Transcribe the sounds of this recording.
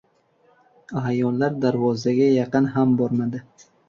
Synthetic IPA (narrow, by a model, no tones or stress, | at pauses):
ajɒllːaɾd̪aɾvɒzaɡʲajɑqɨnɦambɒɾmad̪ɪ